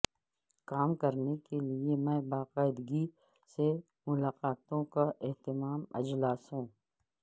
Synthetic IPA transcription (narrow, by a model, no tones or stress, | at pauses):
kaːmkɐɾnekeliemɛ̃ːbaːqaːɪd̪ɡi | se | mʊlaːqaːt̪õkaʔeɦt̪ɪmaːmɐ̰d͡ʒlaːsɦũː